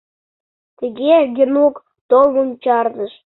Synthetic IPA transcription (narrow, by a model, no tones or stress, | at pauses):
t̪əɣeɡʲenuk | t̪olmumʲt͡ɕɑrnəʃ